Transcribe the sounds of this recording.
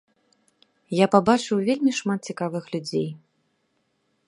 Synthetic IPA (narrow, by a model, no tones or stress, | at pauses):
japabat͡ʂɨwvʲelʲmʲiʂmat̪̚t͡sʲikavɨxlʲud͡zʲej